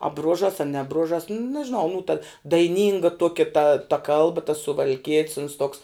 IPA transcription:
ɐ ˈbruɔʒɐs ɐ nʲɛ ˈbrʊʒɐs nʲɛʒʲɪˈnɐʊ nuː tɐ dɐɪˈnʲiːŋɡɐ ˈtuɔkʲɛ tɐ tɐ ˈkɐlˠbɐ tɐs sʊʋɐlʲˈkʲiɛtʲs ʊns toːks

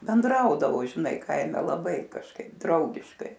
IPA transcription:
bʲɛnˈdrɐʊdɐʋoː ʒʲɪˈnɐɪ ˈkɐɪmʲɛ lˠɐˈbɐɪ kɐʃˈkɐɪp ˈdrɐʊɡʲɪʃkɐɪ

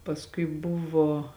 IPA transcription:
pɐsˈkʊɪ ˈbʊʋoː

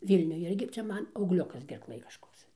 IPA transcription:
ˈʋʲiːlʲnʲʊj ˈɪrʲɡʲɪ ˈt͡sʲɛ ˈmɐn ɐʊɡˈlʲʊkɐs ɡʲɛrˈklˠɘj kɐʃˈkoːks

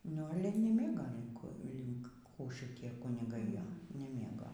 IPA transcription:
nʊ ˈɑːlʲɛ nʲiːˈmʲeːɡoː lʲɪŋˈkuː lʲɪŋk kuː ʃʲɪˈtʲiɛ kʊnʲɪˈɡɐɪ ˈjoː nʲɛˈmʲeːɡoː

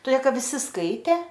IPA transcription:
toːˈdʲeː ˈkɐt ʋʲɪˈsʲɪ ˈskɐɪtʲeː

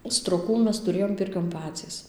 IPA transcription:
stroːˈkuː ˈmʲɛs tʊˈrʲeːjoːm ˈpʲɪrʲkʲoːn ˈpɑːt͡sʲiːs

